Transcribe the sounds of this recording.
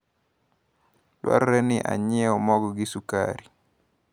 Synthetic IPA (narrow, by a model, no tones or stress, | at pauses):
lwa̰ɾːɛnɪʔa̰ɲɪɛɔmɔɡɔɡɪsuka̰ɾi